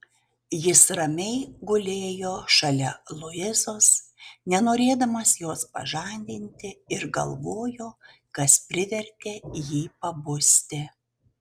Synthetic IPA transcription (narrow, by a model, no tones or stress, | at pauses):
jɪsɾɐmʲɛɪɡʊlʲeːjoːʃɐlʲɛlˠʊɪzoːsnʲɛnoːɾʲeːd̪ɐmɐsjoːspɐ̰ʒɐnʲd̪ʲɪnʲt̪ʲɪɪɾɡɐ̰lˠʋoːjoː | kɐspʲɾʲɪʋʲɛɾʲk̪ʲeːjiːpɐbʊsʲt̪ʲɪ